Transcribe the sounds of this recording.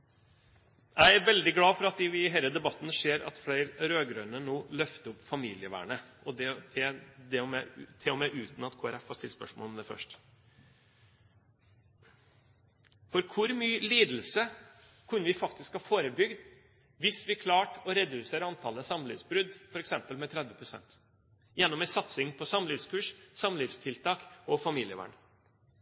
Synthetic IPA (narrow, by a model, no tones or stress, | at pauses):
jʔæɪæɾʋɛld̪ɪɡlɑːfɔɾɑt̪ɪʋɪɦæɪləd̪ɛbɑt̪ːn̩ʂeːɾɑ̰t̪flæɪɾɾøːɡɾœʏnənoːlœft̪əʊpːfɑmiːlɪəʋæ̰ːɳəʔɔd̪ɛt̪ʰɛd̪ɛɔmɛt̪ʰɪɔmɛʔʉːt̪n̩ɑt̪kʰoːæɾɛfhɑʂt̪ɪlspœʂmɔ̰lɔmd̪ɛfœ̰ʂʈ | fɔɾkʰʊɾmyːliːd̪l̩sə | kʰʉnːəʋɪfɑk̚t̪ɪskhɑːfoːɾəbʏɡd̪ | ʋɪsʋɪkʰlɑːʈɔɾɛd̪ʉseːɾɑnt̪ʰɑləsɑmlɪ̰ːʋsbɾʉd̪fɔɾɛksɛmpəlmɛt̪ʰɾɛd̪ʋəpʰɾʊsɛ̰nt̪ | jɛnːɔmɛsɑt̪sɪŋpʰɔsɑmːliːʋskʰʉːʂsɑmːliːʋst̪ʰɪlt̪ʰɑːkɔfɑmiːlɪəʋæ̰ːɳ